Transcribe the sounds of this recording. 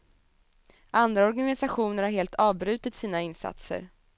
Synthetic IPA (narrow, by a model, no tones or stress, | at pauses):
ʔand̪ɾaɔɾɡanɪsaɧuːnəɾhaɾheːlt̪ʰɑːvbɾʉ̟ːt̪ɪt̪siːnaɪnsa̰t̪sə̰ɾ